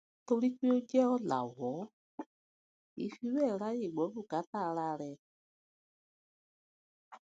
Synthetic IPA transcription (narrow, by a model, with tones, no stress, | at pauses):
to˧ɾi˦k͡pe˦o˦d͡ʒɛ˦ɔ˧la̰˨wɔ˨˦ | ḭ˧fi˧˦wɛ˦˨ɾa˦je˦˨ɡ͡bɔ˨˦bu˦˨ka˨˦ta˦˨˧ɾa˧ɾɛ˧